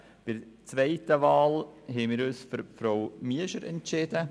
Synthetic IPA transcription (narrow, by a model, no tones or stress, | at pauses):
b̥ɪɾt͡sʋɛɪtəvɑːlhɛmɪːɾyːsfyɾfɾowmiəʃəɾɛ̰ntt͡ʃɪd̥ə